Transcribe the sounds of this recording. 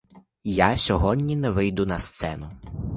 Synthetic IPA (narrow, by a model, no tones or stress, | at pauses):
jasʲɔɦɔdʲnʲinɛʋɪjd̪ʊnɐst̪sɛnʊ